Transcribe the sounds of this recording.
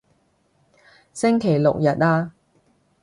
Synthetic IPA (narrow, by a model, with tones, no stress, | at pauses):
sɪ˥ŋkʰe˨˩jlʊ̰˨k̚jɐ˨t̚aː˧